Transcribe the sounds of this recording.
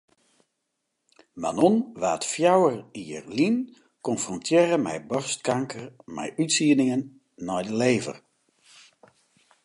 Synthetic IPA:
ma̰nɔnʋaːtfjawəriərlin | kɔnfrɔntʰjɪːɾəmɛ̰jbɔrstkaŋkʰərmɛ̰jʔytsiːənɪŋənː | ɔjdəleːvə̰r

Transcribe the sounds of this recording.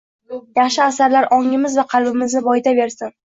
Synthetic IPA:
jɑχʃɪasaɾlaɾʔɒŋɪmɪzvaqʰɑlˠbɪmɪznɪbɒjɪd̪abe̞ɾsɪm

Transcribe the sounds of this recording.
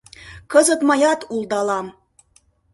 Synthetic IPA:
kəzət̪mɑjɑt̪ulˠd̪ɑlɑm

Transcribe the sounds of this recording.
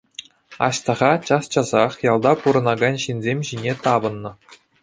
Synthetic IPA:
ɑ̰ɕt̪ɤ̆ʁɑt͡ɕɑst͡ɕɑzɑχjɑlˠd̪ɑpuɾɤ̆nɑɡɑnʲɕinʲzʲemʲʑinʲet̪ɑbɤ̆nːɤ̆

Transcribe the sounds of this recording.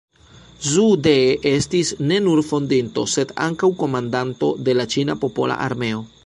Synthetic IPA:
zude̞ʔe̞stisne̞nuɾfo̞ndinto̞̰se̞da̰ŋkawko̞mandanto̞de̞lat͡ʃinapo̞po̞̰la̰ʔa̰ɾme̞o̞

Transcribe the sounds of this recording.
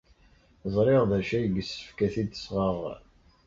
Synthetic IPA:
zˤɾˤeʁðæʃæjəɡəsːə̥fkæθid̪əsʁəʁ

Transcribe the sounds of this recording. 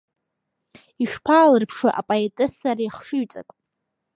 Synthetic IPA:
iʂpʰaːlɨrpʰʂaʔa̰pʼoetʼɨsaɾaiχʂɨɥt͡sʼa̰kʼ

